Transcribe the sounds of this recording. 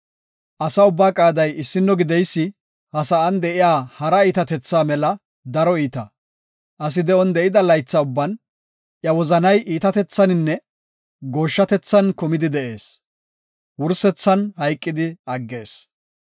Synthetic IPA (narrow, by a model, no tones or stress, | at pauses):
ʔɐsɐʊbːaːkʼaːd̪ɐjɪsːɪnːɔɡɪd̪ɛjsːɪ | hɐsɐʔɐnd̪ɛʔɪjaːhɐɾɐiːt̪ɐt̪ɛt͡sːaːmɛlɐ | d̪ɐɾɔiːt̪ɐ | ʔɐs̬ɪd̪ɛɔnd̪ɛʔɪd̪ɐlɐjt͡sːɐʊbːɐn | ʔjɐwɔzɐnɐjʔiːt̪ɐt̪ɛt͡sːɐnɪnːɛ | ɡo̞ːʃːɐt̪ɛt͡sːɐnkʊmɪd̪ɪd̪ɛʔe̞ːs | wʊɾsɛt͡sːɐnhɐjkʼːɪd̪ɪɐɡːe̞ːs